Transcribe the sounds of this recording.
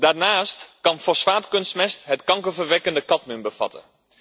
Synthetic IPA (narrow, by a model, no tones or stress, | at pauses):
danaːstkɑnfosʋaːtkønstmɛstɦətkɑŋkəfərʋɛkəndəkɑtmynbəfɑ̰tə̰